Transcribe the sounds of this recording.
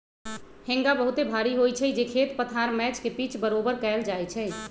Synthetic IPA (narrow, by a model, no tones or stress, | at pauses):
hẽŋɡabəɦut̪ebʱaɾiɦojt͡ʃʰɛd͡ʒekʰet̪pət̪ʰaɾmɛt͡ʃkepit͡ʃʰbəɾobəɾkɛɪld͡ʒajt͡ʃʰɛ